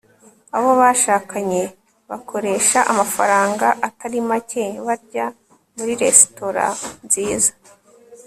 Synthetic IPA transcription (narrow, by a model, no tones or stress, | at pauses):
aβo̞βaːʃaːkaɲe̞ | βakʰo̞ɾe̞ːʃaʔamafa̰ɾaːŋɡaʔataɾimaceβaɾɟa | muɾiɾe̞sto̞ɾa̰nziːzḁ